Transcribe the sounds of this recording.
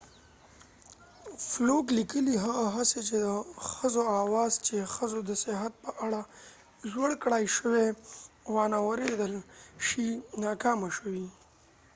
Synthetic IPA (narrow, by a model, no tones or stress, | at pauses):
floklikəliɦaɣaɦaset͡ʃed̪əxəzoawɑːzt͡ʃexəzod̪əsɪɦat̪̚pəʔaɽa | ʒwəɽkɽajʃəwe | wɑnawəɾed̪əlʃinɑkɑmaʃəwi